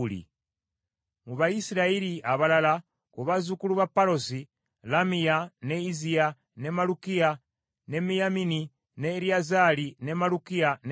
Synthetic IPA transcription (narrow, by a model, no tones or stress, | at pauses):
lḭ | muβaisiɾaiɾiaβalala | kuβazukuluβapːaɾosi | lamijaneizia | ne̞malukija | ne̞mijamini | neɾiazalinemalukijan